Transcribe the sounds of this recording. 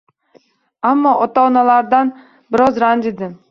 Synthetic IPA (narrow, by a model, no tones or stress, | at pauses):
amːɒʔɒt̪aɒnalˠaɾd̪an | bɪɾɒzɾand̪ɪd̪ɪ